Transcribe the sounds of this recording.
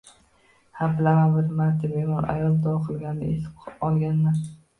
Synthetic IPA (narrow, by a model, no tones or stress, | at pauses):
habɪlamanbɪɾmaɾt̪ʰɪbemɒɾa̰jɒlˠd̪ɒɑqʰɨlˠɡʲannɪ̰esʰɒlˠɡʲanːa